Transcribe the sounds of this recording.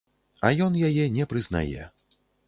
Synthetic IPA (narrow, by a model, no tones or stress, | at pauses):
ɐjɔnjajɛnʲɛpɾɨzna̰jɛ̰